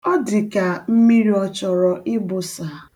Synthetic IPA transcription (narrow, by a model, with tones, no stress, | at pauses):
ɔ˦dɪ˨ka˨m̩˦mi˦ɾi˦ɔ˨t͡ʃɔ˨ɾɔ˨ʔɪ˦bʊ˨saː˨